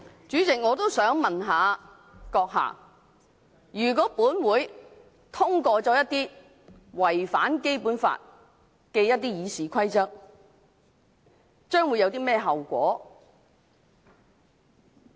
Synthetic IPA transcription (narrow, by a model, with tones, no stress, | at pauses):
t͡ʃyː˨˥t͡sɪ˨k̚ŋɔː˨˧t̪o˥wsœː˨˥ŋmɐ˨nɦaː˨˧ | kɔː˧k̚ɦa̰ː˨˩ | jyː˨˩k̬ɔː˨˥puː˨˥nwuː˨˧j | t̪ʰʊ˥ŋkɔː˧t͡sɔː˧jɐ˥t̪iː˥ | wɐ˨˩jfa̰ː˨˥nke˥jpuː˨˥nfa̰ː˧t̚ | kɛ˧jɐ˥t̚t̪iː˥jiː˨˧siː˨˥kʰɐ˥jt͡sɐ˥k̚ | t͡ʃœː˥ŋwu˨˧jɐ˨˧wt̪iː˥mɛː˥ɦɐ˨wkʷɔ̰ː˨˥